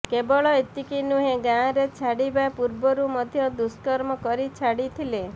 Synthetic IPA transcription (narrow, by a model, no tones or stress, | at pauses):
kebɔɭɔet̪ikinuɦeɡãɾet͡ʃʰaɽibapuɾbɔɾumɔd̪ʱjɔd̪uskɔɾmɔkɔɾit͡ʃʰaɽit̪ʰile